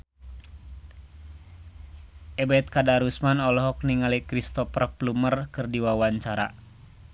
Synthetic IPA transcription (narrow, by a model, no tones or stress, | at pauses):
ʔɛbɛt̪̚kadaɾusmanɔlɔɦɔk̚niŋalikɾist̪ɔprp̚lumərkɨrdiwawaɲt͡ʃaɾa̰